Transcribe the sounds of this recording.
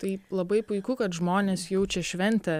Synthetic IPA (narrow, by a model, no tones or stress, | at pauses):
t̪ɐɪlˠɐbɐɪpʊɪkʊkɐt̪ʒmoːnʲeːsjɛʊt͡ʃʲɛʃʲʋʲɛnʲt̪ʲɛ